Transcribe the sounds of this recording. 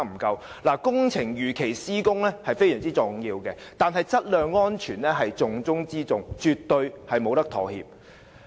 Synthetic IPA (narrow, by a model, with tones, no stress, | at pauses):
m̩˨˩kɐ˧wlaː˨˩kʊ˥ŋt͡sʰɪ˨˩ŋjyː˨kʰe˨˩jsiː˥kʊ˥ŋlɛː˥hɐ˨jfe˥jsœː˨˩ŋt͡siː˥t͡sʊ˨ŋjiː˧wkɛː˧t̪aː˨nɦɐ˨jt͡sɐ˥t̚lœː˨˧ŋːɔː˥nt͡ʃʰyː˨˩nlɛː˥ɦɐ˨jt͡sʊ˨ŋt͡sʊ˥ŋt͡siː˥t͡sʊ˨ŋt͡ʃyː˨t̪ːɵ˧ɥhɐ˨jmo˨˧wt̪ɐ˥kt̪ʰɔː˨˩hḭː˨p̚